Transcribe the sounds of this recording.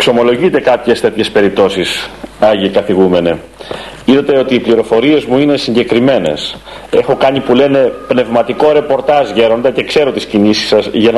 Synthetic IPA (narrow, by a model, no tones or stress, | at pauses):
kso̞mo̞lo̞ʝit̪e̞kɐpçe̞st̪e̞t̪çe̞spe̞ɾip̚t̪o̞sisɐʝiikɐθiɣume̞ne | iðɐt̪e̞o̞t̪iːpliɾo̞fo̞ɾie̞zmuine̞siɲɟe̞kɾime̞ne̞̰s | e̞xo̞kɐnipule̞ne̞pne̞vmɐt̪iko̞ɾe̞po̞ɾt̪ɐzʝe̞ɾo̞nd̪ɐce̞kse̞ɾo̞t̪iscinisi̥sɐsʝɐn